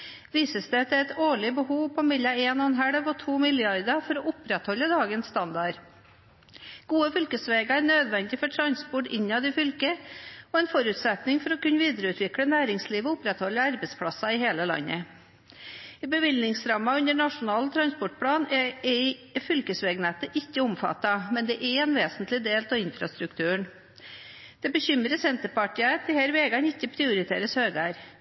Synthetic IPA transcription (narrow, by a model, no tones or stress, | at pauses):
ʋiːsəsd̪ɛt̪ɛt̪oːɭɪbəhuːʋpʰɔmɪlːɑeːnɑnɦæɽəʋɔt̪ʰuːmɪlɪɑɾd̪ɑfɔɾɔʔʊpɾɛt̪hɔlːəd̪ɑːɡənst̪ɑnd̪ɑɾ | ɡ̥uːəfʏlkəsʋeːɡɑæɳøːd̪ʋɛnd̪ɪfɔʈʰɾɑnspɔʈɪ̰ɲːɑd̪ɪfʏlkəɔɛnfɔɾʉːt̪sɛt̪nɪŋfɔɾɔkʉnːʋiːd̪əɾəʉːt̪ʋɪkɽənæːɾɪŋsliːʋəʊpɾɛt̪hɔlːəɑɾbəspʰɽɑsɑɪheːləlɑ̰nːə̰ | ɪbəʋɪlnɪŋsɾɑmːɑʉnəɳɑʂʊnɑːlt̪ʰɾɑnspɔʈ̚pʰɽɑːnɛɛfʏlkəsʋeːɡnɛt̪ːəʔɪkːəʊmfɑ̰t̪ːɑmɛnd̪ɛʔɛɛnʋeːsənt̪lɪd̪eːlt̪ʰɔɪnfɾɑst̪ɾʉkt̪ʰʉːɳ | d̪̥ɛbəçʏmɾəsɛnt̪əɾpɑʈiːət̪ʰɪhæɾʋeːɡɑnɪçːəpʰɾɪʊɾɪt̪ʰḛːɾəshøːɡæːɾ